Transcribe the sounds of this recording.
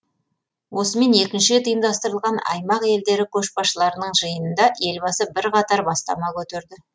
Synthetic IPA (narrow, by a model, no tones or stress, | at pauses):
wʔo̞səme̞ne̞kʲɪnʃɪt̪ʰəjənd̪ɑst̪əɾəlˠʁɑnɑ̰jmɑqe̞ld̪e̞ɾɪkʲʰɵʃbɑʃəlˠɑɾənəɴʒəjənənd̪ɑʔe̞lbɑsəbɪɾqɑt̪ɑɾbɑst̪ɑ̰mɑkʲʰɵt̪eɾd̪ɪ